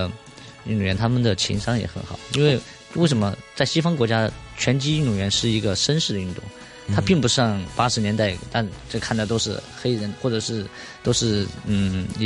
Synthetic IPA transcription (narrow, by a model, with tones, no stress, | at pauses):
nu˨˩ɥɛ˧˥nt̪ʰa˥mə˨nd̪ə˩t͡ɕʰḭ˧˥ŋʂɑ˥ŋjɛ̰˨˥xə̰˨˧˥nxɑ˨˩˦ʊi˥nwe˥˧ɪ | we˥˩ɪʂ̬ə˧˥mə̰˧t͡sa˥˩ɪɕi˥fɑ˥ŋkwɔ˧˥t͡ɕja˥t͡ɕʰɥɛ˧˥nt͡ɕi˥y˥˧nt̪u˥˩ɥɛ˧˥nʂɻ̩˥˩i˧˥ɡə˧ʂə˥nʂɻ̩˥d̪ə˩y˥˩˧nt̪ʊ̰˥˩ŋ | t̪ʰa˥pi˥˩ŋpu˧˥ʂɑ˥˧˩ŋpa˥ʂɻ̩˧njɛ˧˥nt̪a˥˩ɪḭ˧˥ɡə̰˧˩t̪a˥˧nʈ͡ʂɤ˥˧kʰa˥˩nt̪a˥˩t̪o˥ʊʂɻ̩˥˩˧xe˥ɪɻə˧˥nxwɔ˥˩ʈ͡ʂɤ˨˩ʂɻ̩˥˩ | t̪o˥ʊʂɻ̩˥˩n̩˥˩